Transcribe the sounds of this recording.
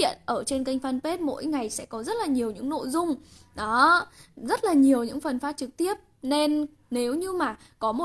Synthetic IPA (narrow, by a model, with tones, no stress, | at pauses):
ḭ˧˨ənʔəː˧˩t͡ɕe˧nka˧jŋ̟fa˧npe˦˥t̚mo̰˧˥jŋa˨˩jsɛ̰˧˥kɔ˨˦zə˦˥t̚laː˨˩ɲi˨˩əwɲɨ̰˧˥ŋno̰˧˨jzʊ˧ŋ͡mɗɔ˨˦zə˦˥t̚laː˨˩ɲi˨˩əwɲɨ̰˧˥ŋfə˨˩nfaː˦˥t̚t͡ɕɨ˨˩k̚t̪i˦˥əp̚ | ne˧n | ne˨˦wɲɨ˧maː˨˩ | kɔ˨˦mo˨˩